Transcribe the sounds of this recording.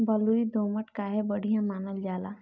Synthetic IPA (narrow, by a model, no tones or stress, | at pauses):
bəluid̪oːməʈkaɦɛbəɽ̤ʱijãmaːnəld͡ʒaːla̰ː